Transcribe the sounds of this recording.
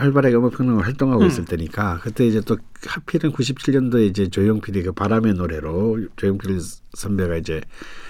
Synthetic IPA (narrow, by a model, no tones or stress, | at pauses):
haɭbaɾɦaɡeʌmʌpʰjʌŋɲaŋɯɭhaɭt͈oŋɦaɡois͈ɯɭtʰe̞ɲik͈akɯt͈e̞id͡ʑe̞t͈o | hapʰiɾɯnkuɕ̬ʰip̚t͡ɕʰiʎːjʌndoeid͡ʑe̞t͡ɕojoŋpʰiɾikɯpaɾame̞noɾe̞ɾot͡ɕojoŋpʰiɾisʰʌmbeɡaid͡ʑe̞